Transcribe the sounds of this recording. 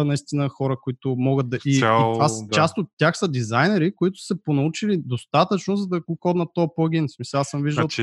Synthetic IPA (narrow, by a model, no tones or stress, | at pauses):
nɐist̪inəxɔɾəkoʊit̪ʊmɔɡəd̪̚d̪ɐit̪vast͡ʃast̪ot̪ːʲjaxsəd̪izajnɛɾikoit̪ʊ̥səponɐut͡ʃilid̪ost̪at̪ət͡ʃnozɐd̪ɐkʊkɔd̪nət̪ːɔpɔɡʲinsmisɐasəmviʒd̪əlˠ